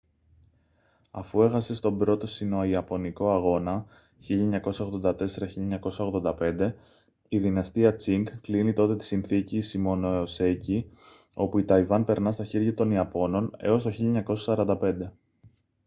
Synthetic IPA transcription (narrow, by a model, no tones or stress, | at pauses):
ɐ̰fue̞xɐse̞st̪o̞bɾo̞t̪o̞sino̞iɐpo̞niko̞ɐɣo̞nɐ | çiʎɐeɲɐko̞sɐo̞ɣðo̞nd̪ɐt̪e̞se̞ɾɐçilʎɐeɲɐko̞sɐo̞ɣðo̞nd̪ɐpe̞nd̪e̞ | iðinɐst̪iɐt͡siŋkklinit̪o̞t̪e̞t̪i̥sinθicisimo̞no̞ose̞ci | o̞puit̪ɐivɐnpe̞ɾnɐst̪ɐçeɾʝɐt̪o̞niɐpo̞no̞ne̞̰o̞st̪o̞çiʎɐeɲɐko̞sɐsɐɾɐnd̪ɐpe̞nd̪e̞